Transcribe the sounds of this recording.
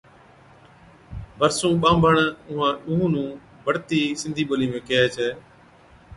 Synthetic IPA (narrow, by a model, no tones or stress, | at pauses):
bəɾsũːɓãːmbʱəɳʊɦãːɗũɦũːnũː | bəɽt̪iːsɪ̃nd̪ʱiːɓoːliːmẽːkeeːt͡ʃʰeː